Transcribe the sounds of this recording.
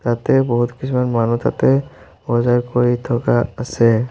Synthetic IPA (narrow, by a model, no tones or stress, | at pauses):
t̪at̪ɛbɔɦut̪kisʰumanmanut̪ʰa̰t̪ɛ | bɔzaɹkoɹit̪ʰɔkaasɛ